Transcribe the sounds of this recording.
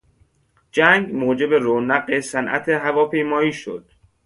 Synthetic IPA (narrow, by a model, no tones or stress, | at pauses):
d͡ʒæŋɡmoːd͡ʒe̞beɾoːnæɢesænʔæ̰t̪ʰeɦævɒːpʰe̞jmɒːiːʃo̰d̪̥